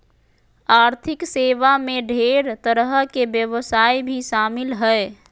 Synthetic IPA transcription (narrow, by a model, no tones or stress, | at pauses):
aɾt̪ʰɪkseʋameɖʱeɾt̪əɾəɦkebjəʋəsaːibʱiʃaːmɪlɦəe